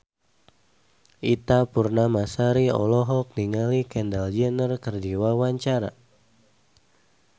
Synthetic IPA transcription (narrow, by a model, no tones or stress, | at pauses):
ʔit̪apurnamasaɾiɔ̰lɔɦɔk̚niŋalikɛndald͡ʒɛnərkərdiwawaɲt͡ʃaɾa̰